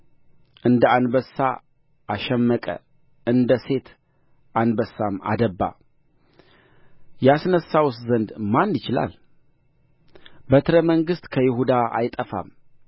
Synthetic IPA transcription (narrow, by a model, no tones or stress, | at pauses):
ʔɨnd̪əanbəsa̰ | ʔaʃɛmːəkʼə̰ | ɨnd̪əse̞t̪ | ʔanbəsːama̰d̪əbːa̰ | jasnəsːawst̪zənd̪manːɪt͡ʃɪla̰l | bət̪ʰɨɾəməŋɡɨst̪ʼkʰəjɪhud̪aʔa̰jt̪ʼəfa̰m